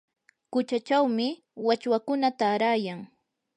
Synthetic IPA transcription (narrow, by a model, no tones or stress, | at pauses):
kʊt͡ʃat͡ʃawmɪ | wat͡ʃwakʊnat̪aːɾaːjaŋ